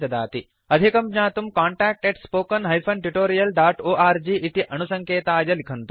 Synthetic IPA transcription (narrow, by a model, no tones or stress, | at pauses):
ɐd̪a̰ːt̪i | ɐd̪ʱikɐmɲaːt̪umkaːɳʈaːk̚ʈeʈspoːkɐnɦɐjpʰɐnʈuʈoːɾijɐlɖaːʈoːʔaːɾd͡ʒiːʔit̪iʔɐnusɐŋkeːt̪aːjɐlikʰɐnt̪u